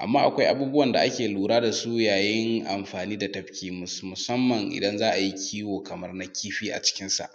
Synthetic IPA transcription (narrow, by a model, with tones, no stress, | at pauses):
ʔa̰˨mːaː˦ʔa˨kʷa˦jʔa˦buː˦bʊ˦wɐ˨nda˨ʔa˦kʲeː˨luː˨ɾaː˦da˨su˦jaː˨jɪ˦ŋʔa̰˨mɸaː˨niː˦da˨tɐ˨˦ɸkʲiː˦mʊ˨mʊ˨sɐ˦mːɐ˨ŋʔɪ̰˨dɐ˦nzaː˦ʔa˨ji˦kʲʰiː˦woː˨kɐ˨mɐ˦rna˦kʲiː˦ɸiː˦ʔa̰˨t͡ʃɪ̥˦kʲɪ˦nsa̰˨ʔ